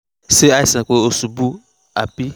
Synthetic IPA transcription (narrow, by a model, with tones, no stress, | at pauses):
se˦a˦i˦˨sɛ̃˨k͡po˨o˨su˨bu˦ | a̰˨pi˦